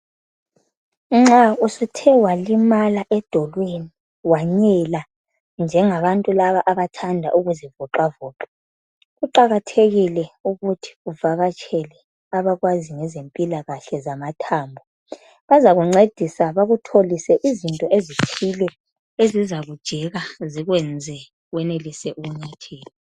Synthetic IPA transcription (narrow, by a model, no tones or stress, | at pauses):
ŋ͡ǁausutʰɛwalimalaʔɛd̥ʱɔlweni | waɲɛla | nd͡ʒʱɛŋaβantʼulaβaʔaβatʰandʱaʔuɣuzivɔǃavɔːǁɛ | ɣuǃaɣatʰeɣilɛuɣutʰi̥uvaɣat͡ʃʰʼɛlɛ | aβaɣwaziŋɛzempʼilaɣaɬɛzamatʰaːmbʱɔ | βazaɣuŋ͡ǀed̥ʱisaβaɣutʰolisɛʔizintʼɔʔezipʰilɛ | ezizaɣud̥ʒ̥ʱɛɣaziɣwɛnd͡zʱɛ | ɣwɛnelisɛʔuɣuɲatʰeːlɔ